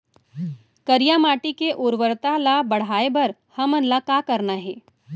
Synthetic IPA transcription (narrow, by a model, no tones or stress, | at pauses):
kəɾijamaːʈikeʔoːɾʋəɾt̪alabɐɽ̤aːebɐɾhɐmənlakakəɾnaɦeː